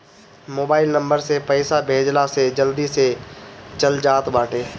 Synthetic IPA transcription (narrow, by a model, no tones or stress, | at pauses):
moːbaːɪlnə̃mbəɾsepəɪsabʱeːd͡ʒlased͡ʒəld̪iset͡ʃəld͡ʒaːt̪baːʈʰeː